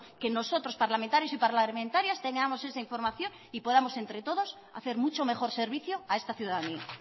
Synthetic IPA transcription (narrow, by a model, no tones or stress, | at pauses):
keno̞sot̪ɾospaɾlamẽnt̪aɾjosipaɾlamẽnt̪aɾjast̪e̞ŋɡamose̞saiɱfo̞ɾmaθjo̞ŋ | ipo̞ð̞amo̞se̞nt̪ɾe̞t̪o̞ð̞os | a̰θeɾmut͡ʃome̞xo̞ɾse̞ɾβiθjoae̞st̪aθjuðaðania̰